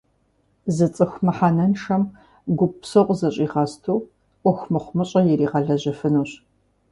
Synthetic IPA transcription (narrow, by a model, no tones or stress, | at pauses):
zɨt͡sʼɨxʷmɐħaːnɐnʃɐm | ɡʷʊpsɐqʷʼzɐɕʼiːʁɐstʰuː | ʔʷɔxʷmɨχʷmɐɕʼɐjɛɾiːʁɐɮɐʑɐfɨnuːɕ